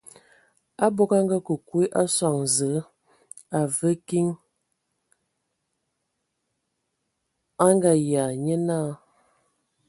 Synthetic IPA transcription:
a˦bo˦ka˦ŋɡa˦kə˨kwe˦ʔa˦swa˨ŋzə˨˦ | a˨və˦ki˦ŋ | a˦ŋɡa˦ja˨ɲə˦na˦˨

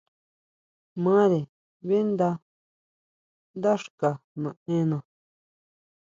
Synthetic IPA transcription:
mã˦ɾe˨ | βe˦nd̪a˧ | nd̪a˦ʂka˨nã˨ẽ˦nã˨

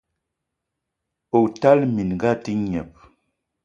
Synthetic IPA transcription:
o˨ta˦lmi˨n˨ɡa˦ti˦ɲɛ̰˨p̚

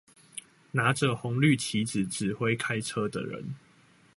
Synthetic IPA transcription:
na˨˥ʈ͡ʂə˨xɔ˨˦ŋly˥˨t͡ɕʰi˨˦d͡z̩˨˩ʈ͡ʂɻ̩˨˩xwe˥˦ɪkʰa˥ɪʈ͡ʂʰə˦d̪ə̰˨ɻə̰˧˦n

